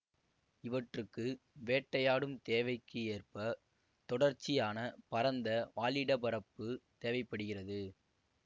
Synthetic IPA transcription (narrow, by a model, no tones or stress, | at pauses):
ɪʋɐʈrɯkːɯ | ʋeːʈːɐjaːɽɯmt̪eːʋɐɪkːɯeːrpɐ | t̪ɔɽɐɾt͡ʃːɪjaːnɐpɐɾɐnd̪ɐʋaːɭɪɽɐbɐɾɐpːɯt̪eːʋɐɪpːɐɽɯɣɪrɐðɯ